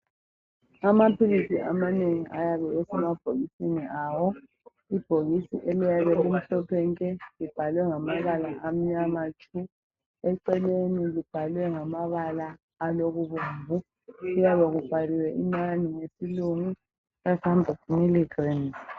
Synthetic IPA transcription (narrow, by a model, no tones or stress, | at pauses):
amapʰiɣisiʔa̰maneŋiʔa̰jaβɛesɛmab̥ʱoɣisiniʔaːwɔ | ib̥ʱoɣisḭʔelijaβɛlim̩ɬɔpʰɛŋkʼɛlib̥ʱalwɛŋamaβalaʔam̩ɲamat͡ʃʰʼu | ɛǀɛlenilib̥ʱalwɛŋamaβalaː | loɣuβumbʱu | ɣujaβɛɣub̥ʱaliwɛʔinaniŋesiluŋu | ɣasambʱɔtmiliɡrin